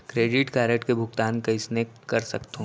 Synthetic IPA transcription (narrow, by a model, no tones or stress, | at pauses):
kɾeːɖɪʈkaːɾekʈkebʱʊɡt̪aːnkɐɪsnekɐɾsɐkt̪o